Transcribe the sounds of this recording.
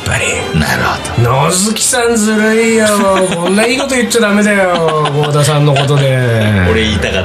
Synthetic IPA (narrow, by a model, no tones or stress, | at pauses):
pːa̰ɾʲḭ | na̰ɾɯ̟hod̪̥onozɨkʲi̥sãnd͡zɨɾɯijokõ̞nːaiːko̞t̪ojɯt͡ɕːad̪ame̞d̪ajoɡod̪asãnːoko̞t̪o̞d̪e | oɾeiːt̪aka